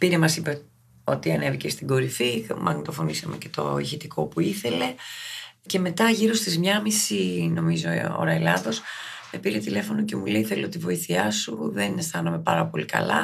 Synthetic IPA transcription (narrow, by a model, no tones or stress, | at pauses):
piɾe̞mɐsipe | o̞t̪iɐne̞vicest̪iɡo̞ɾifimʔɐ̰nt̪o̞fo̞nisɐme̞ce̞t̪o̞̰içit̪iko̞puiθe̞le̞ | ce̞me̞t̪ɐʝiɾo̞st̪izmɲɐmisinomizo̞o̰ɾɐelɐðo̞smepiɾe̞t̪ile̞fo̞no̞ce̞mulejiθeloot̪ivo̞iθiɐsuðe̞nest̪ɐnɐme̞pɐɾɐpo̞likɐ̰lɐ̰